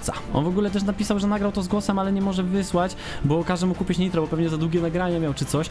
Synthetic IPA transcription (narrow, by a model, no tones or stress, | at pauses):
t̪sa | ɔ̰nvɔɡulɛt̪ɛʂ̬napʲisawʐɛnaɡɾawt̪ɔzɡwɔsɛmalɛɲɛmɔʐɛvɘswat͡ɕ | bɔkaʐɛmukupʲit͡ɕɲit̪ɾɔbɔpɛvɲɛzad̪wuɡʲɛnaɡɾaɲamʲjawt͡ʂɘt̪sɔɕ